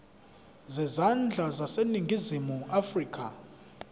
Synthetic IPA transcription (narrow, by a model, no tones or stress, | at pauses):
zɛzand͡ɮʱazaseniŋɡʱizimuafriːkʰʼa